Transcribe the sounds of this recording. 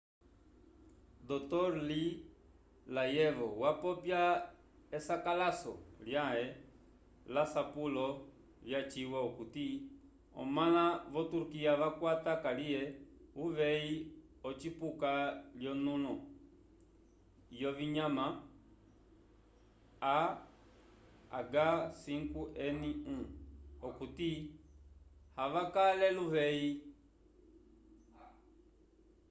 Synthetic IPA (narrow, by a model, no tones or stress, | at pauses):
d̪ɔt̪ɔɾli | lajɛvɔwapɔpja | ɛsakalasɔ̰ljaɦɛ | lasapulɔ | vjat͡ʃiwaukuti | ɔ̰malaβɔtuɾukiaʋakwatakaliɛuʋɛi | ɔt͡ʃipukaljɔnulɔ | jɔviɲama | a | a̰ɡasiŋkuʔɛniũɔkuti | haʋakalɛluvɛi